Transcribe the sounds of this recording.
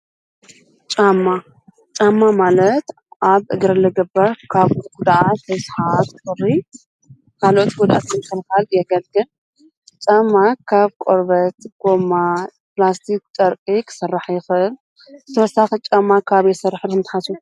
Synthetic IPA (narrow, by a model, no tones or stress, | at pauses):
t͡ʃʼamːa | t͡ʃʼamːamalɐt̪ | ʔaβʔɨɡɾɐlɨɡɨbːɐɾkʰaβɡud̪ʔat̪ɐsħat̪ɨkʼɨrːi | kʰalo̞t̪ɡud̪ʔa̰t̪ʰɨnkʰɨlkaljɛɡɐlɡɨl | t͡ʃʼamːakʰaβkʼoɾβɐt̪ɡ̥omːa | plast̪ʰik̚t͡ʃʼɐɾkʼikʰɨ̥sɨrːaħjɪxɨɨl | zɨt̪ʰɐwɐsaxit͡ʃʼamːakʰaβjɛsɐrːaħɨlɨmt̪ħasu